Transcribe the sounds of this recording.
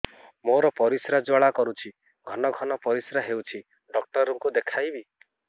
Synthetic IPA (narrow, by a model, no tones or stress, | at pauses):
moɾɔpɔɾisɾad͡ʒwaɭakɔɾut͡ʃʰi | ɡʱɔnɔɡʱɔnɔpɔɾisɾaɦewt͡ʃʰi | ɖɔk̚ʈɔɾɔŋkud̪ekʰajbi